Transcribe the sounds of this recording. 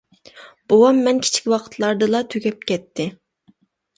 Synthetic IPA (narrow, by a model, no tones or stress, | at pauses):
b̥owɑmːɛnkʲʰi̥t͡ʃʰi̥kʲwɑqʰə̥t̪ʰlˠɑɾd̪ɨlˠɑt̪ʰøɡʲɛp̚kʲɛt̪ʰːɪ